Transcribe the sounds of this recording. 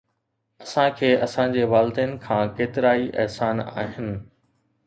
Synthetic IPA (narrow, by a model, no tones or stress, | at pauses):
ɐsãkʰeːʔɐsãd͡ʑeːʋaːlɪd̪eːnɪkʰãːkeːt̪ɪɾaːiʔɛɦsaːna̰ːɦɪnɪ̆